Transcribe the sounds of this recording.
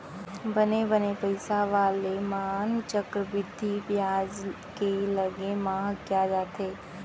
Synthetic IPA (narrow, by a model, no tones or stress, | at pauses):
bənebənepəɪsaʋaːlemaaːnt͡ʃəkɾəbɪd̪ʱːiʋjaːd͡ʒ | keləɡemãɦəkjad͡ʒaːt̪ʰeː